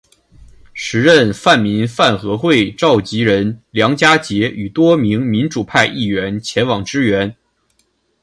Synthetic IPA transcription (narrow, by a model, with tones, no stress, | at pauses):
ʂɻ̩˧˥ɻə˥˧nfa˥˩nmi˧˥nfa˥˩nxɤ˧˥xwe˥˩ɪʈ͡ʂɑ˥˩ʊt͡ɕi˧˥ɻə˧˥nljɑ˧˥ŋt͡ɕja˥t͡ɕjɛ˧˥y˨˩t̪wɔ˥mi˧˥ŋmi˧˥nʈ͡ʂu˨˩pʰa˥˧ɪʔi˥˩ɥɛ˧˥nt͡ɕʰjɛ˧˥nwɑ˨˩ŋʈ͡ʂɻ̩˥ɥɛ˧˥n